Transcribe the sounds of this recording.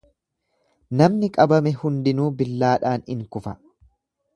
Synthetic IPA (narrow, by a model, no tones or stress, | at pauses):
nɐmnɪkʼɐbɐmɛhʊnd̪ɪnuːbɪlːaːᶑaːnɪŋkʊfɐ